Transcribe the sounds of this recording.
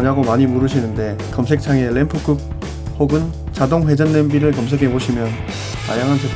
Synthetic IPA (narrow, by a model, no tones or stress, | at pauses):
ɲaɡomaɲimuɾɯɕʰinɯnde̞ | kʌmsʰe̞k̚t͡ɕʰaŋelempʰuk͈ɯk̚ | hoɡɯn | t͡ɕadoŋɸwe̞d͡ʑʌnːenbiɾɯɭkʌms̬ʰe̞ɡʰe̞boɕʰimjʌn | ta̰jaŋɦant͡ɕe